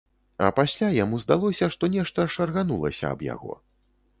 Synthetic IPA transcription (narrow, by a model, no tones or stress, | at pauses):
ɐ̰pasʲlʲajamuzd̪alˠɔsʲɐʂt̪ɔnʲɛʂt̪ɐʂɐrɣanulˠɐ̰sʲɐ̰ɐ̰bja̰ɣɔ̰